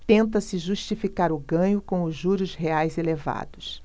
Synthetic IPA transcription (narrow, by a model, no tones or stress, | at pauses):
t̪ẽnt̪̬ɐsɪʒuʃt͡ʃifikaɾʊɡɐ̃ɲʊkõw̃ʊzuɾʊsɦeajzeleva̰d̪ʊs